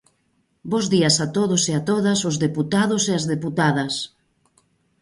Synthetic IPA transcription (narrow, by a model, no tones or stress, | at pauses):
bozðiɐsat̪oðʊseat̪oðɐsʊzðeput̪aðʊseazðeput̪aðɐs